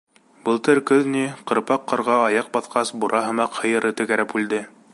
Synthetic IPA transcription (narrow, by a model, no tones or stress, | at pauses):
b̥ɤlˠt̪ɤɾkɵðniqɤ̆ɾpɑqːɑ̆ɾʁɑɑjɑq̚bɑθqɑsbuɾʔɑɦɤ̆mɑqhɤ̆jɤ̆ɾɤ̆t̪ɵ̆kæɾæpʉld̪ɘ